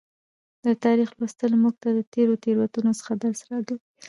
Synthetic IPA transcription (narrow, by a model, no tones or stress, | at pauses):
d̪̥ət̪ɑɾixlwast̪əlmuɡ̚t̪ad̪ət̪eɾot̪eɾwat̪unosə̥xad̪əɾsaɾaɡ̪ui